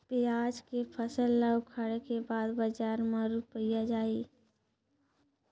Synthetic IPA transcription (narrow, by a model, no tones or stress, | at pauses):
piaːd͡ʒkepʰəsəlːaʊkʰaɽekebaːd̪bəd͡ʒaːɾmãɾupəijad͡ʒaːiː